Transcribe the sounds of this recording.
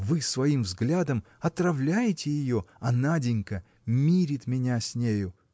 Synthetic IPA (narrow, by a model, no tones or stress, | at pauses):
vɨsvɐimvzɡlʲad̪əm | ɐt̪rɐvlʲæjɪtʲɪjɪjoɐnadʲɪnʲkə | mʲiɾʲɪt̪mʲɪnʲasʲnʲejʊ